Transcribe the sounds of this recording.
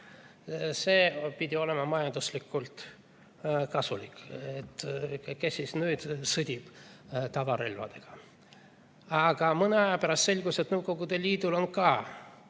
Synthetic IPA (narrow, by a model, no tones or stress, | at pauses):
se̞ːpid̪ʲio̞le̞mɑmɑjɑnd̪̥uslikːˑult̪ | kɑsuliket̪ːkesːisnyːd̪̥sɤd̪̥ʲib̥t̪ɑvɑɾelvɑ̰d̪̥e̞ɡ̥ɑ | ɑɡ̥ɑmɤneɑjɑpæɾɑst̪se̞lʲɡ̥uset̪nɤwɡo̞ɡud̪̥e̞lːiːd̪ulo̞nkɑː